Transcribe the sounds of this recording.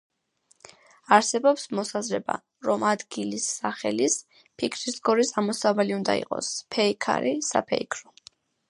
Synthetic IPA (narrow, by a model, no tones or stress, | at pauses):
aɾsɛbɔpsmɔsazɾɛba̰ | ɾɔmad̪ɡilisːaχɛlis | pʰikʰɾisɡɔɾisamɔsavaliund̪a̰ḭqʼɔ̰spʰɛikʰa̰ɾisa̰pʰɛikʰɾɔ